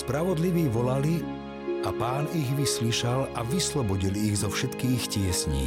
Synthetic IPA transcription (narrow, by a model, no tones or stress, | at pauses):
spɾaʋɔd̪liʋiːʋɔlali | ʔapaːniɣʋisliːʃalaʋislɔbɔɟilːɣzɔfʃɛt̪kiːxcɪɛsɲḭː